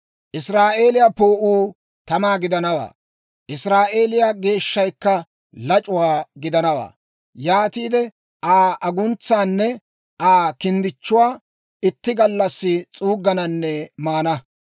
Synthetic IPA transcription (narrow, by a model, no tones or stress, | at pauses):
ʔɪsɾaːʔe̞ːlɪjapo̞ːʔuː | t̪ɐmaːɡɪd̪ɐnɐwa̰ː | ʔɪsɾaːʔe̞ːlɪjaɡe̞ːʃːɐjkːɐ | lɐt͡ʃʼʊwaːɡɪd̪ɐnɐwa̰ː | jaːt̪iːd̪ɛ | ʔaːɐɡʊnt͡sːaːnːɛ | ʔaːkɪnd̪ɪt͡ʃːʊwaː | ɪt̪ːɪɡɐlːɐsːɪt͡sʼuːɡɐnɐnːɛmaːnɐ